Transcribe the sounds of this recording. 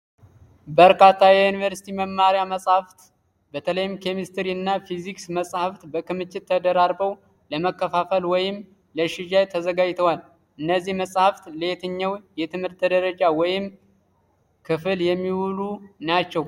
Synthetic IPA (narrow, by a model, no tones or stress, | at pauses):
bəɾkʰat̪ʰːajɛunivəɾsi̥t̪ʰiməmːaɾjaməsʼhaft̪ | bət̪ʰələjɪmkʰe̞mist̪ʰɾiɨnːafiziksməsʼhaft̪bəkɨmɨt͡ʃːɪt̪ʰːəd̪əɾaɾbəw | ləməkːəfafəlwɔjɪm | ləʃɪʒajt̪ʰəzəɡad͡ʒt̪ʰəwal | ʔɨnːəzːihməsʼhaft̪ləjet̪ʰɨɲːawjɛt̪ʰɨmhɨɾt̪ʰːəd̪əɾəd͡ʒawɔjɪm | kʰɨfɨljɛmːiwulunat͡ʃːɛw